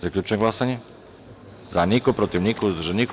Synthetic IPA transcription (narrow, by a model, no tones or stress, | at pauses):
akʎʲuːt͡ʃeɡlˠasaɲe | zanikopɾot̪iʋnikouzd̪uʒenik